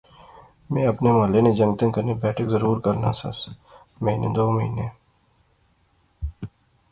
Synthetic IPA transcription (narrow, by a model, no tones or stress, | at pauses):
mɛ̃ːɐpnemɐlenẽd͡ʒɐ̃ŋɡt̪ə̃nkəɾnebɛːʈʰəkzəɾuːɾkɐɾna̰sɐ̰s | mɐinḛ̃d̪oːməɦḭːneː